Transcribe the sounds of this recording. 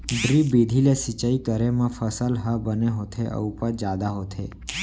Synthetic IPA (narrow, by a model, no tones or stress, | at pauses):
ɖɾibid̪ʱilesit͡ʃaikəɾemãfəsəlɦabəneɦot̪ʰeʔə̰upad͡ʒad̪aɦot̪ʰḛ